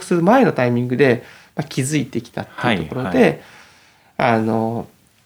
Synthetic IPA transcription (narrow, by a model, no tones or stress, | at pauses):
kɯ̥sɨɾɯ̟mae̞no̞t̪aimʲĩŋɡɯ̟d̪e̞ | makʲizɨit̪e̞kʲi̥t̪a̰t̪ːeit̪okoɾo̞d̪e̞ | ano̞